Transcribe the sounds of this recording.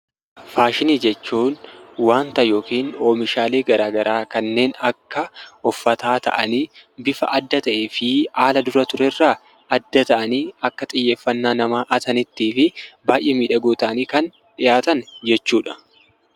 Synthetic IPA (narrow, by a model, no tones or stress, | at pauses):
faːʃɪniːd͡ʒɛt͡ʃːuːnwaːnt̪ɐjo̞ːkiːnoːmɪʃaːleːɡɐɾaːɡɐɾʔaːkɐnːe̞ːnɐkːɐɔfːɐt̪aːt̪ʰɐ̰ʔɐniːbɪfɐ̰ʔɐd̪ːɐt̪ɐʔeːfɪaːlɐd̪ʊɾɐt̪ʊɾɛrːaː | ɐd̪ːɐt̪ɐʔɐniːɐkːɐt̪ʼɪjːe̞ːfːɐnːaːnɐmaːʔɐt̪ɐnɪt̪ːiːfɪbaːjʔeːmiːᶑɐɡoːt̪ɐʔɐniːkɐn | ᶑɪjaːt̪ɐnd͡ʒɛt͡ʃːuːᶑɐ̥